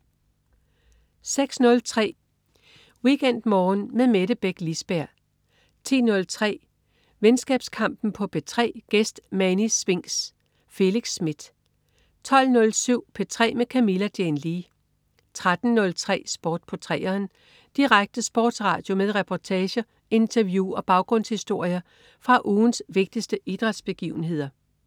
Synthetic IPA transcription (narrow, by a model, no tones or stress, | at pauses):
seɡ̥snɔ̽lt͡sʰʁɛ̰ː | wiɡ̥en̰d̥mɒːnmeðˠmeɾəb̥eɡ̥lisb̥æɐ̰ | t͡sʰḭːnɔ̽lt͡sʰʁɛ̰ː | ʋensɡ̥ɛ̰ːb̥skʰɑ̈m̰b̥n̩pʰɒ̽b̥e̝t͡sʰʁɛ̰ːɡ̥esd̥mænisʋe̝ŋ̰s | fe̝liɡ̥sːmid̥ | t͡sʰɒ̽l̰nɔ̽lsyʊ̰pʰet͡sʰʁɛ̰ːmekʰæmilæd̥enliː | t͡sʰʁad̥n̩nɔ̽lt͡sʰʁɛ̰ːsb̥ɔːd̥̚pʰɒ̽t͡sʰʁɛ̰ːɐːn | d̥iʁaɡ̥̚d̥əsb̥ɒːd̥sʁɑ̰̈d̥jo̝meðˠʁɛpʰɒt͡sʰɛːɕɐ | e̝nt͡sʰɐʋjuɒ̽b̥ɑ̈ʊɡ̥ʁɔ̽n̰shisd̥o̝ɐ̰jɐ | fʁɑ̈ʔuːnsʋe̝ɡ̥̚d̥isd̥əʔid̥ʁɑ̈d̥sb̥e̝ɡ̥ḭːʊn̩ɦe̝ð̞̰ˠɐ